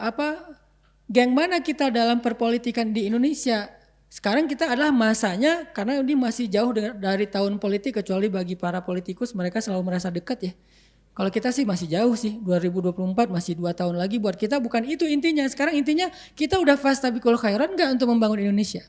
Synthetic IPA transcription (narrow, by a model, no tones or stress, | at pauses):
apa | ɡɛŋmanakit̪adalampərpolit̪ikandiːndonesia | sə̥kaɾaŋkit̪aːdalahmasaɲakarnaudɪmasɪhd͡ʒaʊhdədaɾit̪aʊnpolit̪ɪkːət͡ʃualibaɡipaɾapolit̪ikʊsməɾekasəlaluməɾasadəkat̪̚ja | kalokit̪asɪhmasɪhd͡ʒaʊhsɪhduaɾibuduapuluəmpat̪̚masɪhduat̪aʊnlaɡibuat̪̚kit̪abukanit̪uint̪iɲasə̥kaɾaŋint̪̬iɲa | kit̪audahfast̪abikolokajaɾɔnɡaʔunt̪ʊk̚məmbaŋʊnindonesia